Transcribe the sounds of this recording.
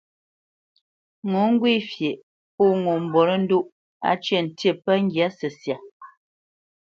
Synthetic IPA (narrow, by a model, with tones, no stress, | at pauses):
ŋo˨˦ŋ̩˦ɡwi˦˨fje˨ʔ | pu˦˨ŋo˨m̩˨bɔ˨ɾə˦n̩˦du˦ʔ | a̰˦t͡ʃe˦˨n̩˨tje˦˨pə˦ŋ˦ɡja˨˦sə˨sja˨